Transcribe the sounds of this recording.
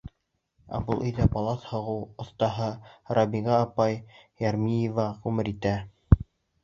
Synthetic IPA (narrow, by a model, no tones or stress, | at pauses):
ɑ̰bulˠɵ̆jðæpɑlˠɑt̪hŏʁɤwŏθt̪ɑɦɤɾɑbʲiɡɑːpɑjjæɾmijevɑʁʉmɘɾit̪æ